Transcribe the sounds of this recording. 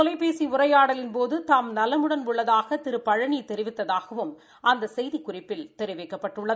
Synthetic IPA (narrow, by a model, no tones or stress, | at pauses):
ɔlɐɪpeːsiʊrɐɪjaːɽɐlɪnpoːðɯt̪aːmnɐlɐmɯɽɐnʊɭːɐðaːɣɐt̪ɪɾɯpːɐɻɐɳit̪ɛɾɪʋɪt̪ːɐðaːɣɐʋɯm | ʔɐnd̪ɐsɛjðikʊrɪpːɪlt̪ɛɾɪʋɛɪkːɐpːɐʈːɯɭːɐðɯ